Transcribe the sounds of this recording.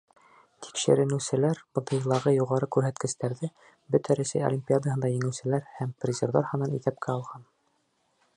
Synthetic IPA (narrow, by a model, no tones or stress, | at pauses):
t̪ʰi̥kʃɘ̰̆ɾɘ̆nɘ̆wsɘ̆læɾbɤ̆t̪ɤ̆jlˠɑʁɤjuʁɑɾɤkʉɾɦæt̪kɘ̆ʃt̪æɾðɘ | bɵt̪æɾæsæ̰jo̰lʲimʲpʲiad̪əɦɤnd̪ɑjɘ̆ŋɘ̆wsɘ̆læɾhæmprʲɪzʲerðɑɾhɤ̆nɑnḭθæp̚kʰæɑlˠʁɑn